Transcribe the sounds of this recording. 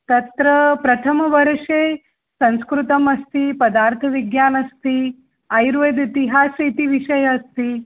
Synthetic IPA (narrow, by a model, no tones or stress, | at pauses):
t̪ɐt̪ɾɐpɾɐt̪ʰəmɐʋɐɾʂe | sɐ̃ñskɾut̪ɐmɐst̪ipɐd̪aːɾt̪ʰɐʋiɡjaːnɐst̪i | ajɾʋed̪it̪iɦaːset̪iʋiʃɐjɐst̪iː